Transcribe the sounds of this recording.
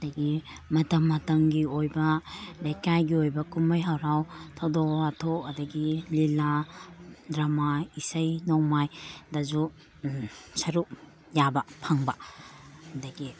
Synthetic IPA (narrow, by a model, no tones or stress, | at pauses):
dɐɡimɐtɐmːɐtɐŋɡiojbɐlejkajɡiojbɐkumɐjɦawɾawtʰadoatʰokɐdɐɡilila | dɾamaisɐjnoŋmajdɐzu | sɐɾuk | jabɐpʰaŋbɐ | hɐdɐɡi